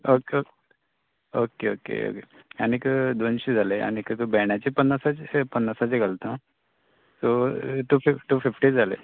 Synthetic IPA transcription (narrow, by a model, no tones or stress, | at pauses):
oke | okeo̰kḛo̰kḛ | añikəd̪onɕid͡zʱalea̰ñikət̪obɛɳjat͡ɕepənːasat͡ɕpənːasat͡seɡəlt̪ã | t̪oʈ̪ufiʈufifʈid͡zalḛ